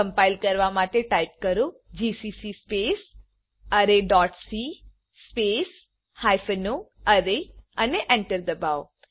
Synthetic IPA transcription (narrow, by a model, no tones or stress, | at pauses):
əmpajlkəɾʋamaʈeʈaip̚kəɾod͡ʒisisispes | əɾeɖɔʈsi | spes | hajfənoəɾeəneʔɛ̃ɳʈəɾd̪əbao